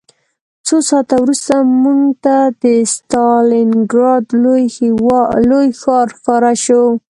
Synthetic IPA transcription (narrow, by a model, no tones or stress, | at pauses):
t͡sosɑt̪awɾust̪amuŋɡt̪ad̪əst̪ɑlɪnɡɾɑd̪lj | lojxɑɾxɑɾaʃo